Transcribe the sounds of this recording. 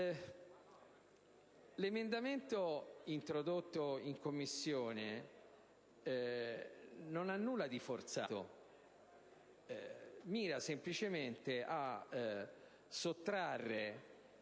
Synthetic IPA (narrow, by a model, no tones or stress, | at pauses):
lemend̪ament̪oint̪ɾod̪ot̪ːoiŋkomːisːjoːne | nonanːuːlːad̪ifort̪sa̰ːt̪o̰ | miːɾasemplit͡ʃement̪eʔa | sot̪ːɾarːe